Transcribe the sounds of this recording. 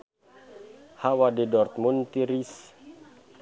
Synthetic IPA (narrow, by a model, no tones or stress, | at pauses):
hawadɛdɔrt̪̚munt̪iɾis